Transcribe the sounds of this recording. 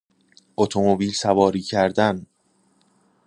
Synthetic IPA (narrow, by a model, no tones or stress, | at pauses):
ʔot̪ʰomobiːlsævɒːɾiːcʰæɾd̪æn